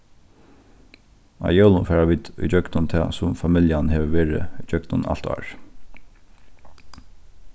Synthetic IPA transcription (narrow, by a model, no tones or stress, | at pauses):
a̰jœːlʊnfɛːɹaʋiːt̪ʊ̰jt͡ɕœɡnʊnt̪ʰɛːsʊmfamɪljanhɛːʋəʋeːɹɪ̰ʏd͡ʒœɡnʊna̰l̥t̪ɑ̰ːɹ